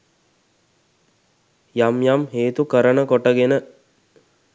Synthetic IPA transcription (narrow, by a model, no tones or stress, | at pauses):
jamjamɦeːt̪ukəɾənəkoʈəɡenə